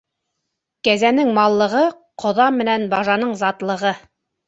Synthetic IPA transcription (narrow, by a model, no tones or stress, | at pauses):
kæzænɘŋmɑlˠːɤ̆ʁɤ | qʰŏðɑmːɘ̆nænbɑʒɑnɤɴzɑt̪lˠɤ̆ʁɤ